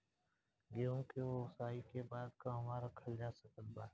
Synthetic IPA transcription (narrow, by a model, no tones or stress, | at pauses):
ɡeːõkeoːsaːikebaːd̪kaːmaːɾəkʰəld͡ʒaːsəkət̪̚baː